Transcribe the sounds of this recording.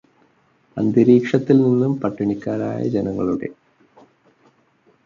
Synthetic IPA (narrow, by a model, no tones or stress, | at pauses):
ɐnd̪iɾiːkʂɐt̪ːilninːumpɐʈːiɳikʲːaːɾa̰ːjɐ̰d͡ʑenɐŋːɐɭuɽe̞̰